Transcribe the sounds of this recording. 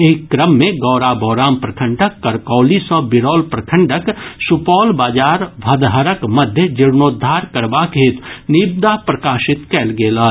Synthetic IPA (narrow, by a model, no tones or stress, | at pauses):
eːkːɾəmːẽɡɔːɾabɔːɾaːmpɾɐkʰə̃ɳɖəkːɐɾkɔːlisɔbɪɾɔːlpɾɐkʰə̃ɳɖəksupɔːlbaːd͡ʒaːɾʋʱɐd̪ɦəɾəkmɐd̪ʱjəd͡ʒɪɾnoːd̪ʱːaːɾkɐɾbakʰeːt̪niːb̚d̪apɾɐkaːʃɪt̪kɛːlɡeːlaː